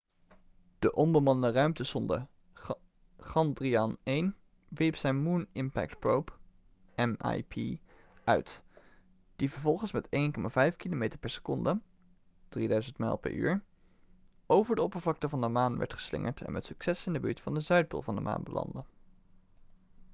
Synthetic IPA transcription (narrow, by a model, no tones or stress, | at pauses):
d̥əʔɔmbəmɑnənərœɥmtəsɔndə̰ | χɑndriɑnejn | ʋiɹpsɛjnmunɪmpɛ̰k̚tpɹowp | ɛma̰jpʰi | œɥt | d̥ivəɹvɔlˠχənsmɛtejnkɔmavɛjfkilomejtəɹpɛɹsə̥kɔndə | d̥ridœɥzəntmɛ̰lˠpɛ̰ɹʔy̰ːɹ | ʔowvəɹdəɔpəɹvlɑk̚təvɑndəmaːnʋɛ̰ɹtχə̥slɪ̰ŋə̰ɹtɛ̰nmɛtsyksɛsɪndəby̰ːɹtfɑndəzœɥt̚bo̰lˠvɑndəmʔa̰ːnbəlɑ̰ndə